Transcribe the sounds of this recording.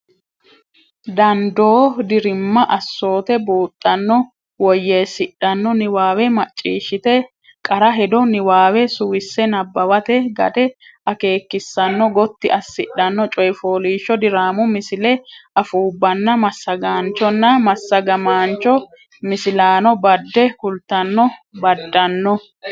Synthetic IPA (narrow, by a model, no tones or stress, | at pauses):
d̪ɐnd̪oːd̪ɪɾɪmːɐʔɐsːo̞ːt̪ɛbuːt̪ʼːɐnːɔ | wɔjːeːsɪɗɐnːɔnɪwaːwɛmɐt͡ʃʼːḭːʃːɪt̪ɛ | kʼɐɾɐɦɛd̪ɔnɪwaːwɛsʊwɪsːɛnɐbːɐwɐt̪ɛɡɐ̰d̪ɛ | ʔɐke̞ːkːɪsːɐnːɔɡɔt̪ːɪʔɐsːɪɗɐnːɔt͡ʃʼɔjɪfoːliːʃːɔd̪ɪɾaːmʊmɪsɪlɛʔɐfuːbːɐnːɐmɐsːɐɡaːnt͡ʃːɔnːɐmɐsːɐɡɐmaːnt͡ʃɔ | mɪsɪlaːnɔbɐd̪ːɛkʊlt̪ːɐnːɔbɐd̪ːɐnːɔ